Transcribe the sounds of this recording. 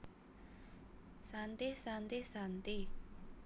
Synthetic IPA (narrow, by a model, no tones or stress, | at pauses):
sant̪isant̪isant̪i